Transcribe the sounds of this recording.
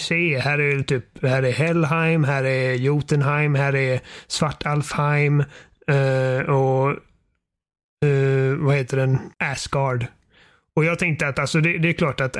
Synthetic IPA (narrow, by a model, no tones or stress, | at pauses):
seːhæːɾævt̪ʰyːphæːɾɛɦɛlːɦajmɦæːɾɛɾjuːt̪ənhaɪmɦæːɾɛɾsvaʈːalfhaɪm | ɔ | vaheːt̪əɖɛnæsɡɑɖ | ɔjɑːɡt̪ʰɛŋkt̪əɾat̪alsɔd̪ɛd̪ɛːɾkʰlɑːʈat̪